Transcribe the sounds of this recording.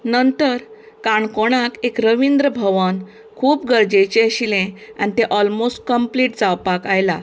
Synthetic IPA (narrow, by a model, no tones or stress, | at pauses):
nənt̪əɾ | kaɳkoɽ̃akekɾəʋind̪ɾəbʱəʋən | kʰuːpɡəɾd͡ʑet͡ɕeɕilẽa̰nit̪eʔɔlmosʈ̚kəmpliʈd͡zawpakajla̰